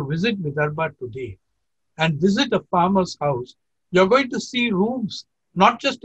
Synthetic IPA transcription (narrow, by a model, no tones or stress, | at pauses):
uʋɪzɪʈ̬̚ʋɪd̪ɐɾbaʈuɖeː | æ̃ɳɖʋɪzɪʈəfaːməɾshaʊs | juəɾɡoːɪ̃ŋʈusiːɾũːms | nɔːʈ̚d͡ʒʌsʈ